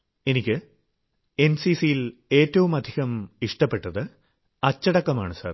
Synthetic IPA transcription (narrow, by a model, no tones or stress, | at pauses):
e̞nikʲːɨ | e̞nsisijile̞ːtːɐʋumɐd̪ʱiɣɐmiʂʈɐpːe̞ʈːɐðɨ | ɐt͡ɕːɐɽɐkːɐmaːɳɨsa̰ːr